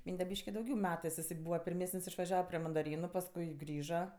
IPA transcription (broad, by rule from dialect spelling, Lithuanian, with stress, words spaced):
ˈmʲiːnʲdʲɛ ˈbʲiːʃʲkʲɪ dɐʊˈɡʲɛʊ ˈmʲæːtɜs ɪˈsɐɪ ˈbuːʋɐ pʲɪrʲˈmʲæːsənʲsʲ ɪʃʋɐˈʒʲæːʋɐ pʲrʲeː mɐndɐˈrʲiːnʊ pɐsˈkʊɪ ˈɡrʲiːʒɐ